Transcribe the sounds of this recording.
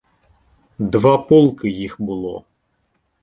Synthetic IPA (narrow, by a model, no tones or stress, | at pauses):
d̪vapɔlˠkɨjixbɨlˠɔ̰